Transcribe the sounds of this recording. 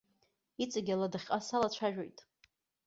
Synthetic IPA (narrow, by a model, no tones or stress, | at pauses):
it͡sʼaɡʲaladaχʲqʼasalat͡ɕʷʰaʒᶣo̰jtʼ